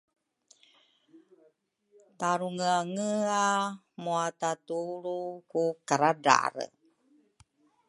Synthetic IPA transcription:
t̪aɾuŋəaŋəa | moat̪at̪uɾukukaɾada̰ɾə̰

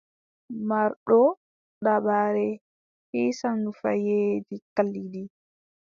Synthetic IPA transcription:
maɾɗɔ | ɗabaɾɛ | hisanːufa̰jeːd͡ʒikalːidi

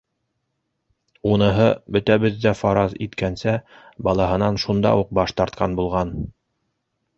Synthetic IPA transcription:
unɤ̆ɦɤbɵ̆t̪æβɘðːæfɑɾɑzḭt̪kænsæbɑlˠɑɦɤ̆nɑnʃund̪ɑ̰uq̚bɑʃt̪ɑɾt̪qʰɑnbulˠʁɑn

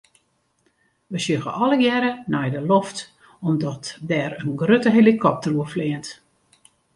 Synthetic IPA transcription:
ʋəsjøɣəʔɔləjɛɾənɛjdəloft | ɔmdɔtdɛrənɡrøtəɦelikʰɔp̚təruəflɪənt

